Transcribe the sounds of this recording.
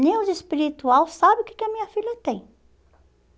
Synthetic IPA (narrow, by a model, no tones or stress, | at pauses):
nelˠziʃpiɾit̪ualˠsaβukɛ̥kɐmiɲɐfiʎɐt̪ẽj̃